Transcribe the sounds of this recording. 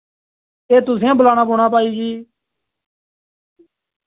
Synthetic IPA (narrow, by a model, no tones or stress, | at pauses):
eːt̪ʊsãːbəlaːɽ̃aːpoːɽ̃aːpaːiːd͡ʒiː